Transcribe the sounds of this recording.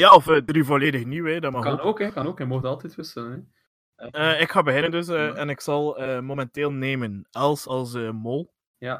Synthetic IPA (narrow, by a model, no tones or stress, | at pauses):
jaːɔfədrivoleːdəxniwedɑmɑxɑnoːkɛkɑnoːkɛmɔxdɑlˠtɛtʋɪsələnɛ | əːɪkxaːbəɣɪnəndøs̬əɛnɪksɑlˠəːmomɛnteːlˠneːmənɛlˠsɑlˠsəːmolˠ | ja